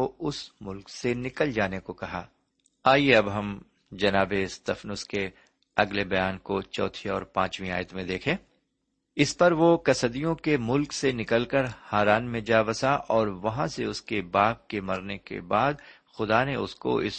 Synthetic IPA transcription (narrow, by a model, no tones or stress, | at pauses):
oʊsmʊlksenɪkəld͡ʒaːnekokɐɦa̰ː | aːieɐbɦɐm | d͡ʒɐnaːbeɪst̪ɐfnʊske | ɐɡlebɐjaːnkot͡ʃɔ̰ːt̪ʰiɔ̰ːɾpã̰ːt͡ʃmĩa̰ːjət̪mẽd̪eːkʰẽː | ɪspɐɾʋokɐsəd̪ijõkemʊlksenɪkəlkəɾhaːɾaːnmẽd͡ʒaːbɐsaʔɔːɾʋɐɦãseʊskebaːp̚kemɐɾnekḛbaːd̪ | xʊd̪aneʊ̰sko̰ʔɪ̰s